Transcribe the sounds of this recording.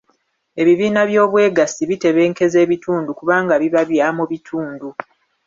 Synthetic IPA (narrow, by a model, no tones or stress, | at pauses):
e̞βiβiːnaβjo̞ːβwe̞ːɡasiβite̞βe̞ːŋke̞ze̞ːβitʰuːndukuβaːŋɡaβiβaβjaːmuβitʰuːndu